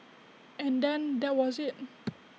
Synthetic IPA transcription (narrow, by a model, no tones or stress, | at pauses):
ɛ̃ndɛ̃nd̪ɛt̚wɔzɪt̚